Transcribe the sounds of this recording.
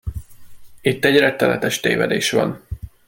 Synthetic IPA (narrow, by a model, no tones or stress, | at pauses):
it̪ːɛɟrɛkt̪ːɛlɛt̪ɛʃt̪ḛːvɛ̰d̪eːʃʋɒ̰n